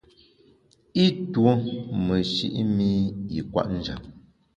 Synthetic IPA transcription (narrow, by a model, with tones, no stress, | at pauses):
i˦two˨˦mə˨ʃḭ˦ʔmi˦i˨kwa̰˦ʔn̩˦d͡ʒa̰˨